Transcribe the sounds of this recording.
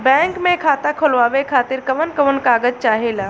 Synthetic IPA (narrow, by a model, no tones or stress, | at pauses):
bɛ̃ːŋkmẽkʰaːt̪akʰʊlʋaːʋekʰaːt̪ɪɾkɐʋənkəʋənkaːɡəd͡ʒt͡ʃaːɦelaː